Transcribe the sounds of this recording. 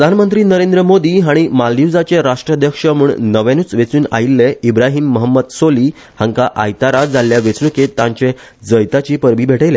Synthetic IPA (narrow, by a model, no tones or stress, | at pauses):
pəd̪ʱanmənt̪ɾiːnəɾẽnd̪ɾəmod̪iːɦaɽ̃imaljud͡zat͡ɕeɾaʂʈɾəd̪ʱjəkʂəmuːɳnəʋẽnuːt͡sʋet͡suːna̰ilːeibɾaɦiːmːəɦəmːəd̪soliː | hãŋkaʔajt̪aɾad͡zaljaʋet͡snuket̪ːãɲt͡ɕẽ | d͡zəjt̪at͡ɕiːpəɾbiːbʱeʈəjle